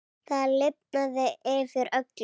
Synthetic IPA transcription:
θaðlɪp̚naðɪʔɪvɪɾœk̪l

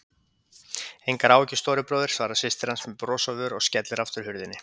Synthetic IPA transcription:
ejŋkaɾaːwcɪst̪oːɾɪpɾɔːwðɪɾ̥svaːɾasɪst̪ɪɾ̥ansmɛpɾɔːsavʏɾɔscɛt̪lɪɾaft̪ʏɾ̥hʏɾðɪnːɪ

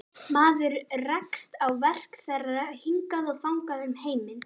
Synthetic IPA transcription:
maːðʏɾrɛkst̪awvɛr̥kθɛrːahiŋkaðɔɣθawŋkaðʏmheːjmɪn

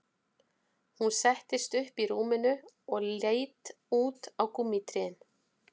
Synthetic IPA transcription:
hunsɛht̪ɪst̪ʏhpiɾuːmɪnʏ | ɔɣleːjt̪ | uːt̪awkumːiːt̪ɾɪɪn

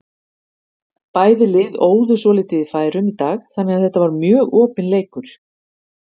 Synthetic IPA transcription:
paːjðɪlɪːðoːwðʏsɔlɪːt̪ɪɪ̥faːjɾʏmit̪aːɣθanːɛaθɛht̪ːavaɾmjœːɣɔːpɪnleːjkʏɾ̥

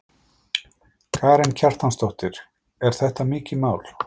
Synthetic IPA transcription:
kʰaːɾɛncʰar̥t̪anst̪owht̪ɪɾ̥ | ɛɾ̥θɛht̪amɪːcɪmaːwl

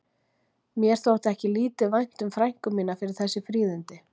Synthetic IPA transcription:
mjɛɾ̥θowt̪ɛhcɪliːt̪ɪvajn̥t̪ʏmfɾajŋ̥kʏmiːnafɪɾɪɾ̥θɛsːɪfɾiːðɪnt̪ɪ

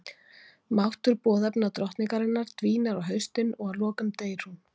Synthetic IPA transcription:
mawht̪ʏɾpɔːðɛpnat̪ɾɔht̪niŋkaɾɪnːaɾ̥t̪viːnaɾawɦœɥst̪ɪnɔɣalɔːkʏmt̪eːjɾ̥hun

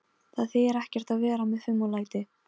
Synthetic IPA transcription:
θaðθɪɛɾɛhcɛ̥t̪avɛːɾamɛðfʏmːalaːjt̪ɪ

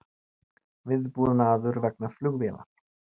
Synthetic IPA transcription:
vɪðpuːðʏnaːðʏɾvɛknaflʏɣvjɛla̰

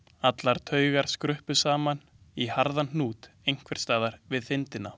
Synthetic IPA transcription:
at̪laɾ̥t̪ʰœːɥɣaɾ̥skɾʏhpʏsaːman | ihaɾðann̥uːt̪ | ejŋ̥kʰvɛɾ̥st̪aːðaɾvɪðθɪnt̪ɪnːa

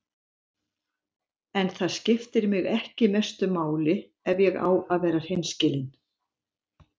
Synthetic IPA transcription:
ɛnθaðscɪft̪ɪɾmɪɣɛhcɪmɛst̪ʏmaːwlɪ | ɛvjɛɣa̰ːwaðvɛːɾar̥ejnscɪːlɪn

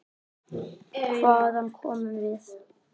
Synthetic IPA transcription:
kʰvaːðhankʰɔːmʏmvɪð

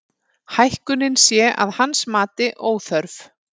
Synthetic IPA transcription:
hajhkʏnɪnsjɛːʔa̰ðhansmaːt̪ɪʔoːwθœɾf

